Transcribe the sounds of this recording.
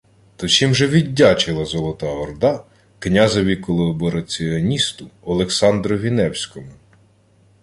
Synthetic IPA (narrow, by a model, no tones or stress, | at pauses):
t̪ɔt͡ʃimʒɛʋʲidʲːat͡ʃɪlˠɐzɔlˠɔt̪ɑɔrd̪ɑ | knʲazɐʋʲikɔlˠɔbɔɾɐt͡sʲiɔnʲist̪ʊɔlˠeksɑnd̪ɾɔʋʲinɛwsʲkɔmʊ